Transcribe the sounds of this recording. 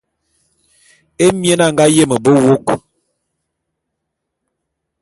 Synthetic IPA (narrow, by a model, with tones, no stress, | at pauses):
e˦mje˦na˦˨ŋɡa˦je˦mə˨bə˦wo˦k